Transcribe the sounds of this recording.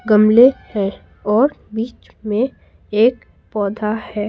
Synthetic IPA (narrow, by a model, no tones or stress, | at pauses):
ɡəmlehɛ̃ː | ɔːɾbiːt͡ʃ | mẽ | eːk | pɔːd̪ʱahɛː